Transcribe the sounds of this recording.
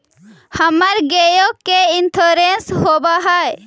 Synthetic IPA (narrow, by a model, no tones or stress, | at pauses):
hɐmɐɾɡejokːeint̪ʰoɾenshobaɦaj